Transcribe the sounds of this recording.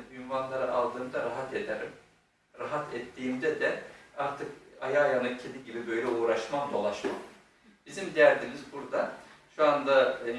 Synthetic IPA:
ynvanlˠaɾɯʔalˠd̪ɯːmd̪aɾaɦat̪ed̪eɾim | ɾaɦat̪ʰɛt̪ʰːijimd̪ɛd̪ɛaɾt̪ʰɯkajaːjanɯcʰed̪iɟibibø̞jlʲɛuːɾaʃmamd̪olˠaʃmo | bizimd̪ejæɾd̪inizbuɾd̪aʃuand̪a

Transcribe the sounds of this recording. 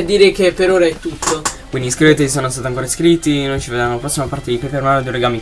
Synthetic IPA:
d̪ːiːɾekepːeɾoːɾaɛt̪ːut̪ːokkwind̪iiskɾet̪eisonost̪aːt̪iaŋkoːɾaskɾit̪ːinojt͡ʃived̪ɾamoapɾɔsːimapart̪ed̪ipepermanod̪eɾeɡaːmi

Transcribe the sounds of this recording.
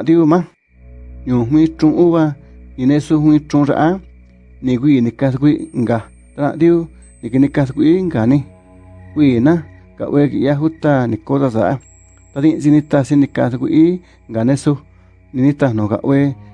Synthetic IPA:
ãðiumã | ɲũːɦʷĩt͡ʃũʔuβanĩnẽsuhʷĩt͡ʃũʐa̰ʔa | nĩk̬ʷiːnĩkauk̬ʷiŋɡa | t̪anã̰ʔðiu | nĩinĩkasukʷiiŋɡanĩ | kʷiːnã | ka̰ʔwekḭʔjaɦut̪anĩkotasa̰a | t̪aðĩt͡ʃinĩt̪asinĩkasukʷiʔi | ŋɡanẽsu | nĩnĩt̪anõka̰ʔwe

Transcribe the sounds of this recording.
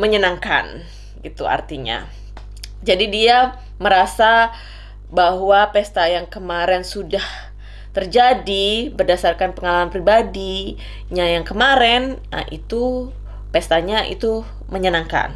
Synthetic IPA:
məɲənaŋka̰n | ɡit̪ṵa̰rt̪iɲa̰ | d͡ʒadidia | məɾasa | baɦwapɛst̪ajaŋkəmaɾɛnsudah | t̪ərd͡ʒadibərdasarkanpəŋalamanpɾibadi | ɲajaŋkəmaɾɛna̰ʔḭt̪u | pɛst̪aɲaʔḭt̪u | məɲənaŋka̰n

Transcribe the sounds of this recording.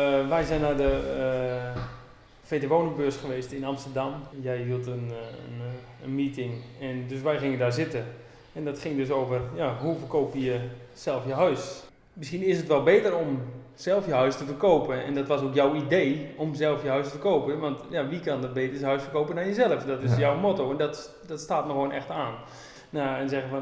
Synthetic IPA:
ʋɛjzɛjnadə | feːtəʋoːnəbøəsχəʋeːstɪnamstərdamjɛjɦiəlˠtən | ənmiːtɪŋɛndøs̬ʋɛjχɪŋəndaɹzɪtə | ɛndɔtχɪŋdøs̬oːvərjaɦufərkoːpəjəsɛlˠfjəɦœɥs | mɪsxinɪsətʋɛlˠbeːtəromsɛlˠfjəɦœɥstəfərkoːpəɛ̰ndɔtʋɔsoːkjawideːomzɛlˠfjəɦœɥstəfərkoːpəʋɑntjaʋikandɔt̚beːtəsəɦœɥsfərkoːpəndanjəzɛlˠəfdɔtɪsjawmotowɛndɔt | dɔtstaːtnɔxʋoːnʔɛxtaːnː | aɛnzɛɣənfɔn

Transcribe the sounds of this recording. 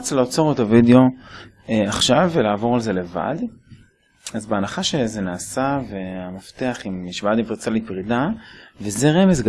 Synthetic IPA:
t͡slaot͡so̞ʁet̪avideo̞ | eaχʃavelaːvo̞ʁalze̞le̞va̰d | azbeanaχaʃezenaːsaveamafteaχimːiʃbadivt͡salipʁidavezeʁe̞mesɡ

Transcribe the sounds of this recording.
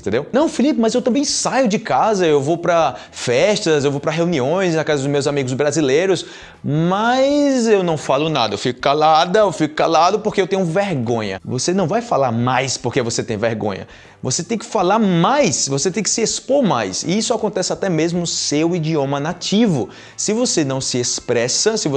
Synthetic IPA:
t̪ẽnd̪ewnɐ̃w̃filipɪmɐzewt̪ɐ̃mbẽj̃sajʊd͡ʒɪkazɐewvowpɾɐ | fɛʃt̪ɐzewvowpɾɐɦeũniõj̃sznakazɐd̪ʊzmewzamiɡʊzbɾazilejɾʊs | mɐjzewnɐ̃w̃falʊnad̪ɐewfikʊ̥kalad̪ɐewfikʊ̥kalad̪ʊpoɾkeewt̪ẽɲʊveɾɡõɲɐ̰vosenɐ̃w̃vajfalaɾmajspoɾkevoset̪ẽj̃veɾɡõ̰ɲɐ̰ | vo̰set̪ẽj̃kɪ̥falaɾmajsvoset̪ẽj̃kɪ̥sɪespoɾmajsɪ̰isʊakõnt̪ɛsɪat̪ɛmezmʊʊsewid͡ʒiõmɐnativʊ | sɪvosenɐ̃w̃sɪespɾɛsɐsɪvo

